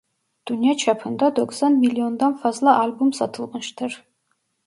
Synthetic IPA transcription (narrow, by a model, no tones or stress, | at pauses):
d̪̥unijat͡ʃʰapʰɨnd̪ad̪oksanmiliond̪anfazlaʔalbumsatʰɨlqənʃtʰɨr